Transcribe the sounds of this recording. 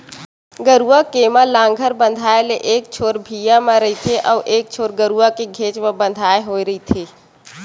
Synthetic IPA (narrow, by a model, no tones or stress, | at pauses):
ɡəɾuakeːmãlãːŋɡʱəɾbə̃nd̪ʱaːeleʔeːk̚t͡ʃʰoːɾbʱiːjamãɾɐit̪ʰeʔɔːʔeːk̚t͡ʃʰoːɾɡəɾuakeɡʱeːt͡ʃmẽbə̃nd̪ʱaːeɦoːiɾəit̪ʰeː